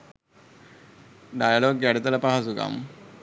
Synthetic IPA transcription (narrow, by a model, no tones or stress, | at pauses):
ɖajaloɡɡɛɽit̪ɐlapaɦasuɡa̰m